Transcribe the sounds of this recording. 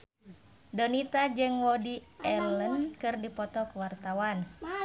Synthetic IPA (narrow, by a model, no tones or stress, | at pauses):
dɔnit̪ad͡ʒɨŋwɔdiɛlənkɨrdipɔt̪ɔkuwart̪awan